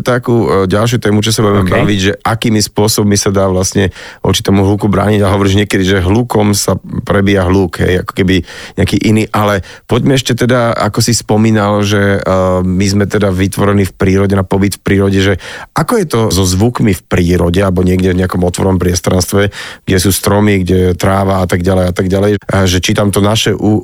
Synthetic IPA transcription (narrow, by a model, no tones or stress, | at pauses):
t̪akuɟalʃ̬jut̪ɛːmut͡ʃɔs̬abuɛmɛbaʋiɟʒɛʔakiːmspʊɔsɔbɔmisad̪aːʋlasɲɛɔ̰t͡ʃi̥t̪ɔmuɦluːkubɾa̰ːɲiɟaɦɔʋɔɾiːʒɲɪɛkɛd̪iʒɛɦlukɔmsapɾɛbiːaɦluːkɦɛ̰ja̰kɔ̥kɛbiɲɛakiːʔiniːʔalɛpɔɟmɛɛʃcɛt̪ɛd̪aa̰kɔsispɔmiːnalʒɛ | mizmɛt̪ɛd̪aʋit̪ʋɔɾɛnifpɾiːɾɔɟɛnapɔbit̪fpɾiːɾɔɟɛʒɛʔakɔjɛt̪ɔzɔzʋukmifpɾiːɾɔɟɛalɛbɔɲɪɛɡɟɛvɲɛakɔmɔt̪ʋɔɾʋɔmpɾɪɛst̪ɾanst̪ʋɛɡɟɛsuːst̪ɾɔmiɡɟɛt̪ɾaːʋaat̪aɡɟalɛjat̪aɡɟalɛjʒɛt͡ʃit̪amt̪ɔnaʃɛʔu